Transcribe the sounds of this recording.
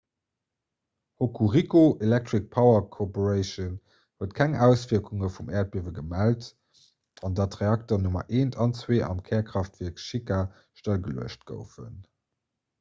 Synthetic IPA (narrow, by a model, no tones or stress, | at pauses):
hokʰuʁikoʔelɛk̚tʁik̚pʰɑʊɐkʰopoʁəɪʃən | huətkʰæŋæʊsv̥iɐkʰuŋəfumɛːɐt̚b̥iəvəɡəmælt | ɑndɑtʁeɑk̚tɐnumɐ̰ʔeːntʰɑnt͡sweːʔɑ̰mkʰɛːɐkχɑftvɛːɐkʃika | ʃtəlɡəluəʃt̚ɡ̥ə̰ʊfə̰n